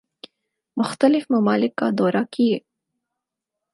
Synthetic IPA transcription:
mʊxt̪əlɪfmɐmɑːlɪkːa̰d̪ɔːɾakie

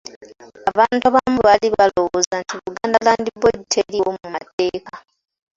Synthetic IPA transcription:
aβaːntaβamuβaliβalo̞wozantʰiβuɡaːndalaːndibwoditʰeliwomumate̞ːka

